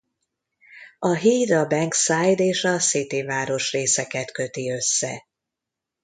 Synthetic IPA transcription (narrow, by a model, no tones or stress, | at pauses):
ɒɦiːd̪ɒbɛŋksaːjd̪eːʃɒsit̪ivaːɾo̞ʃreːsɛkɛt̪kø̞t̪iø̞sːɛ̰